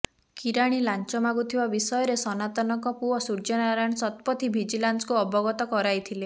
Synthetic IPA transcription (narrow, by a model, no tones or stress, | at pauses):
kiɾaɽ̃ilant͡ʃɔmaɡut̪ʰibabisɔjɔɾesɔnat̪ɔnɔŋkɔpuɔsuɾd͡ʒɔnaɾajɽ̃sɔt̪̚pɔt̪ʰibʱid͡ʒilanskuɔbɔɡɔt̪ɔkɔɾajt̪ʰile